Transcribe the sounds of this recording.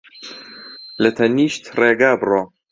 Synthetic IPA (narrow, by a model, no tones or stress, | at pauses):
lɐt̪ʰɐniːʃt̪reːɡaːbroː